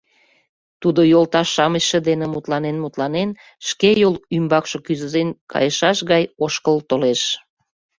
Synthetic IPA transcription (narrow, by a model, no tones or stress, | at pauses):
t̪ud̪ojolt̪ɑʃːɑməɕʃə̆d̪enemut̪lɑnenmut̪lɑnen | ʃkejolymbɑkʃokyzəzenkɑ̰jəʃɑʃɣɑjoʃkəlt̪oleʃ